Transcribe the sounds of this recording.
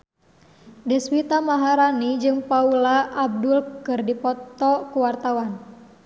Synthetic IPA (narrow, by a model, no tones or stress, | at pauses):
dɛswit̪amaɦaɾanid͡ʒɨŋpaulaːb̚dulkɨrdipɔt̪ɔkuwart̪awan